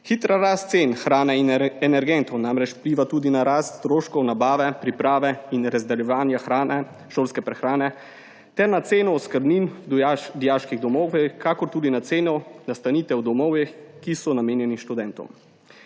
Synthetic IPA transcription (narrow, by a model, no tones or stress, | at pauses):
xit̪ɾaɾast̪t̪seːnxɾaːnɛiɛnɛɾɡɛnt̪ɔwnaːmɾɛt͡ʃpliːʋat̪uːd̪inaɾaːst̪st̪ɾoːʃkɔwnabaːʋɛpɾipɾaːʋɛinɾazd̪ɛljɛʋaːnjaxɾaːnɛ | ʃoːlskɛpɾɛxɾaːnɛ | t̪ɛɾnat̪seːnɔɔskəɾbninad̪ijaʃkiɣd̪ɔmɔwɛkakɔɾt̪uːd̪inat̪seːnɔnast̪aniːt̪ɛwd̪ɔmɔwjɛxkisɔnameːnjɛniʃt̪ud̪ɛnt̪ɔ̰m